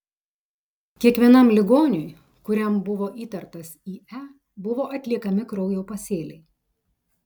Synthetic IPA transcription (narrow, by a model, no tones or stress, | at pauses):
kʲiɛkʋʲiɛnɐˑmlʲɪɡoːnʲʊj | kʊɾʲɛmbʊʋoːʔiːt̪ɐɾt̪ɐsiːæ | bʊʋoːʔɐt̪ʲlʲiɛkɐmʲɪkɾɔʊjoʊpɐsʲeːlʲɛɪ